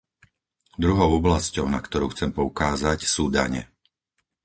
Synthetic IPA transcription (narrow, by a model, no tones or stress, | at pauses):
d̪ɾuɦɔʊɔblascɔʊnakt̪ɔɾuːxt͡sɛmpɔukaːzacsuːd̪a̰ɲɛ̰